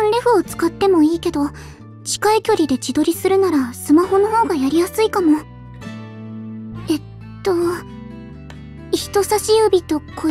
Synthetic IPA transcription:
õɾʲeɸɯ̟ot͡sɨ̥kat̪ːe̞mo̞iːke̞d̪o̞ | t͡ɕi̥kaikʲo̞ɾʲid̪e̞t͡ɕid̪o̞ɾʲisɨɾɯ̟naɾasɨmaho̞no̞ho̞ːɡajaɾʲijasɨikano | e̞t̪ːo̞ | içi̥t̪o̞saɕiɯbʲit̪o̞kʰo

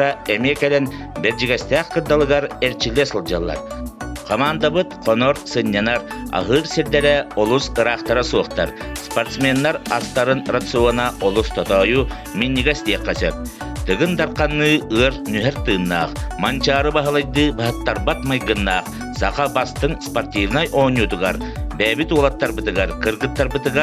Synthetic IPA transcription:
ɾaɛmiɛkɛlɛn | bɛɾd͡ʒiɡɛsʲt̪æːχqɯɾd̪alˠɯɡaɾɛɾt͡ʃilːɛsɯlˠd͡ʒalˠːa̰ɾqʰɔmaːnd̪abɯt̪qʰɔnɔɾsɯnʲːanaɾa̰ɦɯːɾsiɾd̪ɛɾɛɔlˠusɯɾaqt̪aɾasuɔχt̪aɾspɔɾt̪smʲɛnːaɾast̪aɾɯnrat̪sɨuɔnaʔɔlˠust̪ɔt̪ɔːju | minʲːiɡɛst̪iɛqːɛsɛp̚ | t̪ɯɡɯnd̪aɾqɑnːɯːɯɐɾnyɦɛɾt̪ɯːnːaːqmant͡ʃaːɾɯbaɦɯlˠajd̪ɯːbaɦɯt̪ːaɾbat̪majɡɯnːaːq | saqabast̪ɯŋspoɾt̪ʲivnajʔɔːnʲjut̪uɡaɾ | bɛːbit̪ulˠat̪ːaɾbɯt̪ɯɡaɾqɯɾɡɯt̪ːaɾbɯt̪ɯɡa

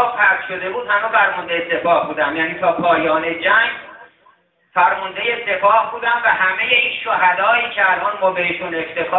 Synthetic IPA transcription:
pʰæɾt̪ʃo̞d̪e̞buːd̪hæmefæɾmond̪ejese̞pʰɒːhbuːd̪æmjæːniːt̪ʰɒːpʰɒːjɒːne̞d͡ʒæŋɡ | fæɾmond̪e̞je̞se̞pʰɒːhbuːd̪æmvæɦæme̞je̞inʃoɦæd̪ɒːjiːcʰeælʔɒːnmɒːbe̞heʃune̞ft̪ʰe̞xː

